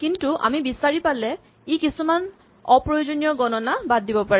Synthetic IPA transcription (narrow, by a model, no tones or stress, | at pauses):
kintuʔa̰mibisaɹipalɛ | ikisuman | ɔpɹɔjozonijɔɡɔnɔnabadːibɔpaɹɛ